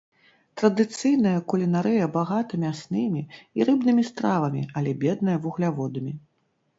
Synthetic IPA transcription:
t̪ɾɐd̪ɨt̪sɨjnɐjɐkulʲinaɾɨjɐbaɣat̪ɨmʲiasnɨmʲiiɾɨbnɨmʲist̪ɾavɐmʲḭɐlʲɛbʲɛd̪nɐjɐvuɣlʲavɔd̪ɐmʲi

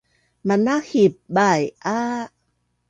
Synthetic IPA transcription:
mandaxʰip̚bajʔaː

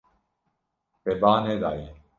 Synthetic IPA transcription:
pebaːneːd̪a̰ːje

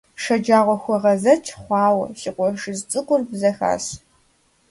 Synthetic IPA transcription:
ʂɐd͡ʒaːʁʷɔxʷɔʁɐzɐt͡ʃʼʰχʷɑːwɐ̰ɕiqʷɔʂɨzt͡sʼɨkʷʊrbzɐxa̰ːs

